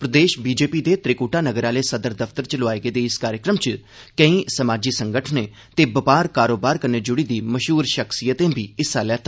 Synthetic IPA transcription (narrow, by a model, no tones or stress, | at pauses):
pɾəd̪eːʃbiːd͡ʒeːpiːd̪eːt̪ɾɪkuːʈaːnəɡəɾaːleːsəd̪əɾd̪əpʰt̪əɾt͡ʃəlʊʋaːeːɡeːd̪eːɪskaːɾjəkɾəmt͡ʃ | kəĩːsəmaːd͡ʒiːsəŋɡəʈʰnẽː | t̪eːbəpaːɾkaːɾoːbaːɾkəɾneːd͡ʒʊɽiːd̪iːməʃɦuːɾʃəksijət̪ẽːbʱiːɪsaːlɛːt̪ʰa